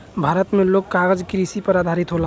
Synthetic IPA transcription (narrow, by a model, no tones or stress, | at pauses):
bʱaɾət̪meloɡkaɡəd͡ʒkɾisipəɾad̪ʱaɾit̪ɦola